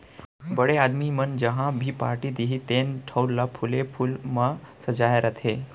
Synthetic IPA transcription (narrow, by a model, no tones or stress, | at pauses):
bəɽeaːd̪mimənd͡ʒəɦãbʱipa̰ɾʈid̪iɦit̪enʈʰəwllapʰulepʰulmãsəd͡ʒajaɾət̪ʰe